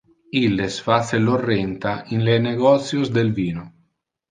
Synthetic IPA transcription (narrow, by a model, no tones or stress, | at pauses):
ilːesfaselorːɛnt̪ainleneɡɔt̪sjozd̪elviːno